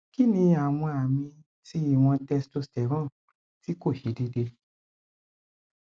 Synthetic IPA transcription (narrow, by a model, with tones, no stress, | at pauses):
ki˦nĩ˧a˨w̃ɔ̃˧a˨mĩ˧ | ti˦i˦˨w̃ɔ̃˧tɛ˧sto˧stɛ˨ɾɔ̃˦˨ | ti˦ko˦˨ʃi˨˦de˧de˧